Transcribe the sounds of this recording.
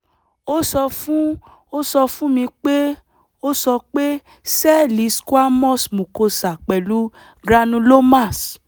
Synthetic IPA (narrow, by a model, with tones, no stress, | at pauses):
o˦sɔ˧fũ˦ | o˦sɔ˧fũ˦mĩ˧k͡pe˦ | o˦sɔ˧k͡pe˦ | sɛ˦li˨˦ska˦mɔ̃˦smũ˨ko˧sa˨k͡pɛ˨lu˦ | ɡɾa˧nũ˧lo˦ma˦˨s